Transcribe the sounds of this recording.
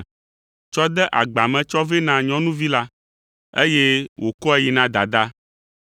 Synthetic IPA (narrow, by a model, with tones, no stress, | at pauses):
t͡ʃɔ˦d̪ɛ˦ʔa˨ɡ͡ba˨mɛ̃˨t͡ʃɔ˦ve˦nã˨ɲɔ̃˦nũ˦vi˦la˦ | ḛ˦je˦wʔo˨kɔ˦ɛ˦ji˨nã˦d̪a˨d̪a˦